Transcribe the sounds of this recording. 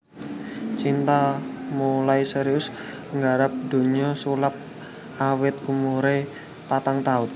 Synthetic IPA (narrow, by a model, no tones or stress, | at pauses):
t͡ʃint̪amulaisɛɾiʊs | ŋɡaɾap̚d̪̥o̤ɲɔsulap̚ | awɪt̪̚kumuɾe | pat̪aŋt̪aʊt̪̚